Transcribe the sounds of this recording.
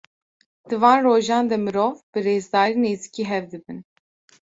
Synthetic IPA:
d̪̥ɨvɑːnroːʒɑːnd̪ɛmɨɾoːvbɨreːzd̪ɑːɾiːneːzikiːɦɛvd̪ɨbɨn

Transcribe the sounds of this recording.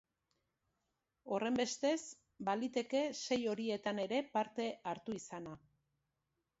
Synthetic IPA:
o̞re̞mbe̞st̪e̞s | balit̪e̞ke̞se̞jo̞ɾie̞t̪ane̞ɾe̞paɾt̪e̞aɾt̪uisana

